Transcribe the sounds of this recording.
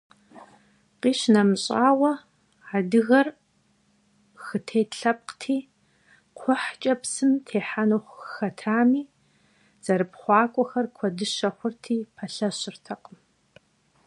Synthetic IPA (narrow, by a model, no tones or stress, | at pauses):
qiːʃnɐmɨɕʼaːwɐ | adɨɣɐr | xɨtʰeːɬɐp̚qtʰiː | qʷʰʊħt͡ʃʼɐpsɨmtʰeːħanuχʷxɐtʰaːmiː | z̥ɐɾɨpχʷɑːkʷʼɔxɐrkʷʰɔdɨʃɐxʷʊrtʰiːpʰɐɬɐɕɪrtʰɐqʼəm